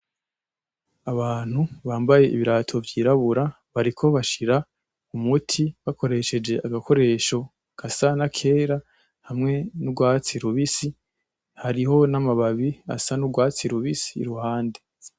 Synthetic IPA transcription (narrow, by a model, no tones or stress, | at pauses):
aβaːn̥huβaːmbaje̞ʔḭβiɾatʰo̞vjiːɾaβuɾa | βaɾikʰo̞βaʃiɾa | umutʰiβako̞ɾe̞ʃe̞d͡ʒe̞ʔaɡako̞ɾe̞ːʃo̞ | kʰasanakʰe̞ːɾa | hamŋe̞nubɡwaːt͡siɾuβisi | haɾiɦo̞namaβaβia̰sanuɡwaːt͡siɾuβisiːɾuhaːnde